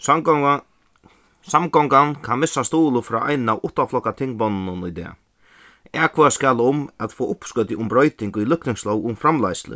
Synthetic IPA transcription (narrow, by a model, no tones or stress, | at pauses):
samɡɔŋkankʰanmɪsːast̪oːlʊfɾɔːʔa̰jnnawʔʊht̪aflɔhkːat̪ʰɪŋk̚bɔnːnʊnʊjd̪ɛ̰ː | æːkʰvɔːaskalʊmat̪fɔːʔʊpskœt̪ɪʔʊmbɾɔʏt̪ɪŋkʊjlʏhknɪŋslɔwʊmfɾamlajslɪ̰